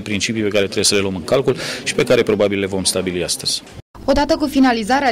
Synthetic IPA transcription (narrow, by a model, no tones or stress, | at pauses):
pɾint͡ʃipijpe̞kaɾet̪ɾebjesəle̞luəmɨŋkalkulʃi̥pe̞kaɾe̞pɾo̞babilːe̞vo̞mst̪abiliast̪əz̥ʲ | o̞d̪at̪əkufinalizaɾea